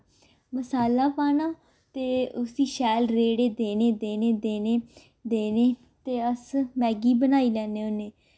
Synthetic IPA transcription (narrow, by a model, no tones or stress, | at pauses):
məsaːlaːpaːnaː | t̪eːʊsiːʃɛːlɾeːɽeːd̪eːneːd̪eːneːd̪eːneː | d̪eːneː | t̪eːəsmɛːɡiːbənaːiːlɛːneːʊneː